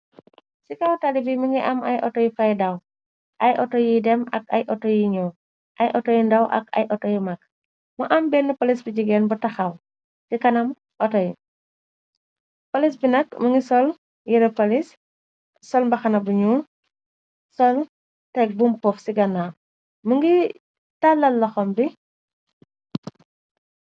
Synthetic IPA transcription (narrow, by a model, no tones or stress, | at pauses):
sikɐwtalibimɐŋɡiʔɐmʔɐjʔɔtɔjifɐjdɐw | ʔɐjʔɔtɔjidɛmɐ̰kɐ̰jʔɔtɔjiɲɔ | ʔɐjʔɔtɔjindɐwʔɐ̰kɐ̰jʔɔtɔjimɐk̚ | mɔʔɐmbɛnːəpɐlisbiɟiɡɛːnbɔtɐxɐw | tikɐnɐm | ʔɔtɔji | pɐlisbinɐkmɐŋɡisɔl | jiɾɐpɐlis | sɔlmbɐxɐnɐbuɲuː | sɔl | tɛk̚bumpɔfsiɡɐna | muŋɡi | tɐlːɐlːɐxɔmbi